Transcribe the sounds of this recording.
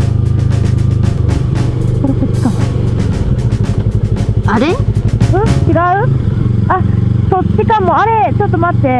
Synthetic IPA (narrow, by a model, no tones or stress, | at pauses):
soɾeset͡ɕi̥kana | aɾeɯ̟̃t͡ɕiɡaɯ̟asot͡ɕikãmːo̞aɾe̞t͡ɕo̞t̪ːo̞mat̪ːe̞